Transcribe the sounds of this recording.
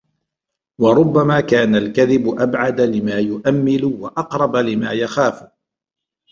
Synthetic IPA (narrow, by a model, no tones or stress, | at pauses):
wɑɾˤʊbːamaːkaːnalkaðɪbʊʔabʕad̪alɪmaːjʊʔamːɪlʊwaʔɑqɾˤɑbalɪmaːjaxaːf